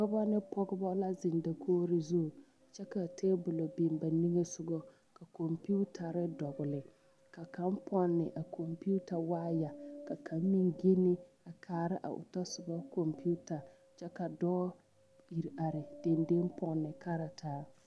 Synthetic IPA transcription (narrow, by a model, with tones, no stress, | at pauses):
kʊ˦ba˦nɪ˦pɔ˦ɡɪ˦bɔ˦la˦zɪ˨nda˨kʰoː˦ɾɪ˦zu˦˨ | t͡ʃɛ˦ka˨tʰeː˦bʊ˨lo˨be˨mba˨ni˦ŋe˦sʊ˦ɡɔ˦ | ka˨ko˨mpu˦tʰa˨ɾɪ˦dɔ˨ɡʊ˨lɪ˨ | ka˨ka˨˦mpʰɔ˦nːɪ̰˨ʔa˨kʰo˨mpi˦u˦ta˨waː˦ja˨ka˨kʰa˨˦mmi˦ŋɡe˦nɪ˦ | a˨kʰaː˨ɾɪ˦ʔa̰˨ʔʊ̰˨ta˦sʊ˨ɡɔ˦ko˨mpu˦ta˨ | t͡ʃɛ˦ka˨dɔː˦ | i˨ɾa˨ɾɪ˨d̥e˨nde˦mpʰɔ˨nːɪ˨kʰa˦ɾa˨tʰaː˦